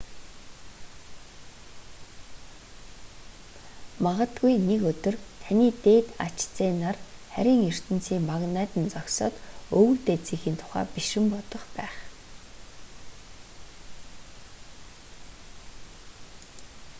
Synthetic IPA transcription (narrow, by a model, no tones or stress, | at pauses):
maʁə̆t̪ɡujnekɵt̪ɵ̆rt̪ʰaniːt̪eːt̪a̰t͡ɕt͡seːnarχæɾʲiːŋjɵr̥t̪ɘ̆nt͡siːŋmaɣnæːt̪ɘ̆nt͡sɔksɔ̰ːt̪ɵɣɵ̆t̪eːt͡siːxiːnt̪ʰʊ̥χæ̰ːpiʃɪ̆mpɔt̪ɞ̆χpæːχ